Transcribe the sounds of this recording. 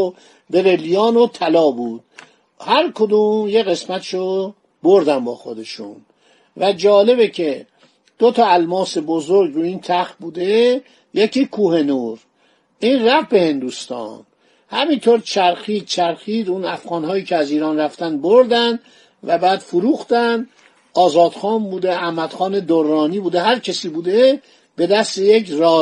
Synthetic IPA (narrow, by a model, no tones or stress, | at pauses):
beɾelijɒːnot̪ʰælɒːbuːd̪̥̚ | hæɾkʰod̪uːmjeɣe̞smæt̪ʰʃo | boɾd̪æmbɒːxod̪e̞ʃṵn | væd͡ʒɒːle̞becʰe̞ | d̪̥ot̪ʰɒælmɒːse̞bozoɾɡɾuiːnt̪ʰæxbuːd̪e | jecʰiːkʰuːhe̞nuːɾ | ʔiːnræfbe̞he̞nd̪uːst̪ɒ̰n | hæmint̪ʰoɾt͡ʃʰæɾxiːd̪t͡ʃʰæɾxiːd̪unæfɣɒːnɦɒːiːcʰeæziːɾɒːnræft̪ænd̪boɾd̪ænd̪ | væbæːd̪̥fuɾuːxt̪ænd̪ | ɒːzɒːd̪̥xɒːmbuːd̪eæhmæd̪̥xɒːned̪oɾːɒːniːbuːd̪eɦæɾcʰesiːbuːd̪e | b̥e̞d̪æst̪ejekɾɒː